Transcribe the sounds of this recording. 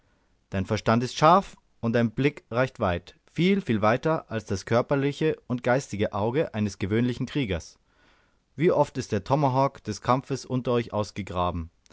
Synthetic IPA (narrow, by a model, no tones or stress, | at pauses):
d̥aɪnfɛɐʃtantɪstʃaɐf | ʊnt̚d̥aɪnblɪkʁaɪçtv̥aɪt | fiːlfiːlvaɪtɐʔalsd̥askʰœɐpɐlɪçəʊnt̚ɡ̥aɪstɪɡəʔaʊɡəʔaɪnəsɡ̥əvøːnlɪçn̩kʁ̥iːɡɐs | v̥iːʔɔftɪstd̥eːɐtʰɔmɐɦɔkd̥ɛskʰamfəsʔʊntɐɔʏçʔa̰ʊsɡ̥əɡʁaːbm̩